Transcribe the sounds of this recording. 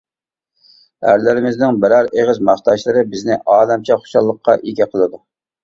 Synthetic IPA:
æ̰ɾlɪɾɪmɪznɪŋbɪɾæɾeʁɪzmɑχt̪ɑʃlˠɨɾɨbɪznɪʔɑːlɛmt͡ʃʰɛχo̥ʃɑlˠːəqʰːɑ̰ʔiɡʲɛqʰəlˠɨd̪u

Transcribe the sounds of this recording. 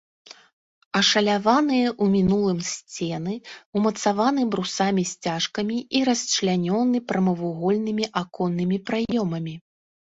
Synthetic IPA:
ɐʂɐlʲavanɨjɐʔumʲinulˠɨmsʲt͡sʲɛnɨumɐt̪savanɨbɾusamʲisʲt͡sʲaʂkɐmʲiiɾɐsʲt͡ʃlʲanʲɔnɨpɾɐmɐvuɣɔlʲnɨmʲiʔakɔnːɨmʲipɾajɔmɐmʲi

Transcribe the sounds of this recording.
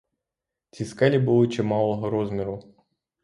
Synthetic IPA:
t͡sʲiskɛlʲibulˠɪt͡ʃɛmɑlˠɔɦɔɾɔzmʲiɾʊ

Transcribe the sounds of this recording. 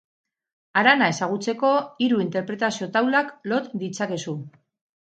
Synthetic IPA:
aɾanae̞saɣ̞ut͡se̞ko̞iɾuint̪e̞ɾpɾe̞t̪asio̞t̪awlaklo̞t̪d̪it͡sake̞su

